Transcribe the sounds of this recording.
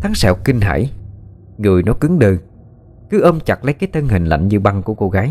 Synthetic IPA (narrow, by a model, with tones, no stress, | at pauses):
t̪ʰaː˨˦ŋsɛ̰˧˩wkï˧ŋɦa̰ː˧˩j | ŋɨ˨˩əjnɔ˨˦jkɨ˨˦ŋɗɨː˨˧˩ŋ | kɨ˨˦ʔəː˧mt͡ɕa˨˩t̚la˨˦jkaː˨˦jt̪ʰə˧nhï˨˩ŋ̟la̰˧˨jŋ̟ɲɨ˧ɓa˧ŋku˧˩əko˧ɣaː˨˦j